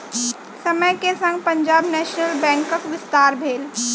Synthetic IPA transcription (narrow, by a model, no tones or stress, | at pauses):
sɐməjkesɐ̃ŋɡ̚pɐ̃ɲd͡ʒaːbnɛːʃnəlbɛ̃ːŋkəkʋɪst̪aːɾbʱeːl